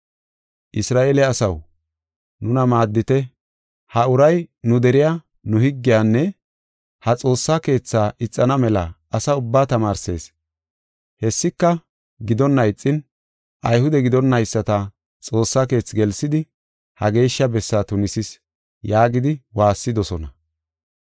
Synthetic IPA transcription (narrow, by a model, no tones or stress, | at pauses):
ʔɪsɾaːʔeːlɛɐsɐw | nʊnɐmaːd̪ːɪt̪ɛ | hɐʊɾɐjnʊd̪ɛɾɪja | nʊhɪɡːɪjaːnːɛ | hɐt͡sʼo̞ːsːake̞ːt͡sːaːʔɪt͡sʼːɐnɐmɛlɐ̰ | ɐsɐʊbːaːt̪ɐmaːɾse̞̰ːs | hɛsːɪkːɐ | ɡɪd̪ɔnːɐjt͡sʼːɪn | ʔɐjhʊd̪ɛɡɪd̪ɔnːɐjsːɐt̪ɐ | t͡sʼo̞ːsːake̞ːt͡sːɡɛlsːɪd̪ɪ | hɐɡe̞ːʃːɐbɛsːaːt̪ʊnɪsɪs | jaːɡɪd̪ɪwaːsːɪd̪ɔsɔnɐ̰